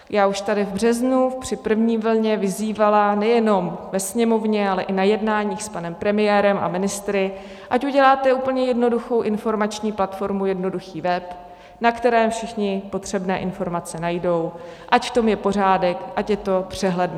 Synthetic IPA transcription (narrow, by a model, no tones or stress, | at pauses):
jaːuʃt̪adɪvbr̝ɛznupr̝̥ɪpr̩vɲiːvl̩ɲɛvɪziːvalanɛjɛno̞mvɛsɲɛmo̞vɲɛalɛʔɪnajɛdnaːɲiːxspanɛmpɾɛmɪjɛːɾɛma̰mɪnɪst̪ɾɪ | ʔacuɟɛlaːt̪ɛuːpl̩ɲɛjɛdno̞duxo̞wʔɪnfo̞ɾmat͡ʃɲiːplat̪fo̞ɾmujɛdno̞duxiːvɛp | nakt̪ɛɾɛːfʃɪxɲɪpo̞t̪r̝̥ɛbnɛ̰ːʔɪnfo̞ɾmat͡sɛnajdo̞w | ʔacft̪o̞mjɛpo̞r̝aːdɛkʔacjɛt̪o̞pr̝̥ɛɦlɛdn